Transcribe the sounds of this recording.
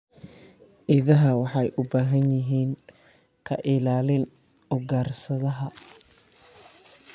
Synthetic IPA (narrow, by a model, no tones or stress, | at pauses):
ʔɪðɐɦɐwɑħɑjʔʊbaːɦɐnjɪɦiːŋ | kʰɐʔɪlaːlɪn | ɔɡaːrsɐðɐɦɐ